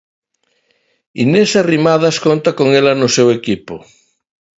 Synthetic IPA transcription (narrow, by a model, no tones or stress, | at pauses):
ḭnesarimaðaskont̪akoŋelanosewekipo